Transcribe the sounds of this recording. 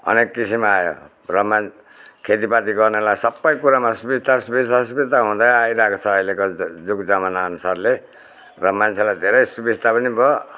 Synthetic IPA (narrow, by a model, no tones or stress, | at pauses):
ʌ̰nekːisimajo̰ | rʌman | kʰet̪ipat̪iɡʌrnelajsʌbːʌjkuɾamasubist̪asubist̪asubit̪aɦũd̪ajaiɾakot͡sʰʌːilekod͡zukd͡zamanaʌnusarle | rʌmant͡sʰelajd̪ʱeɾʌjsubist̪apʌnibʌ